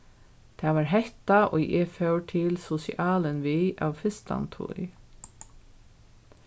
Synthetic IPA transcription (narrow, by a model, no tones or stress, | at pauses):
t̪ʰaːʋaːɹɦɛht̪aʔɔ̰jɛfœwʈʰɪlsɔsḭʔaːlənʋiːa̰ʋfɪst̪a̰nt̪ʰṵɾ